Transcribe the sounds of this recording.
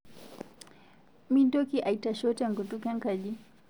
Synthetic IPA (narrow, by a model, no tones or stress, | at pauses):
mindɔkiʔaitaʃɔtɛŋɡɔtukaŋkaʄi